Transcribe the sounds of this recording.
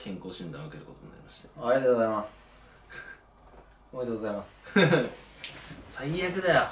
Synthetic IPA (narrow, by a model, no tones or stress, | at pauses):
kʰẽ̞ŋko̞ːɕĩnd̪aakeɾɯ̟ko̞t̪oɲina̰ɾʲḭmaɕi̥t̪aaɾʲiat̪oɡzaimas | omajt̪oɡozaimasɨ̥ | saiːakɯ̟d̪a